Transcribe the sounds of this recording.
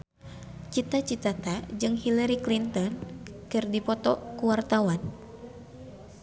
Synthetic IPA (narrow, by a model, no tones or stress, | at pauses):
t͡ʃit̪at͡ʃit̪at̪ad͡ʒɨŋhilaɾiklint̪ɔnkɨrdipɔt̪ɔkuwart̪awan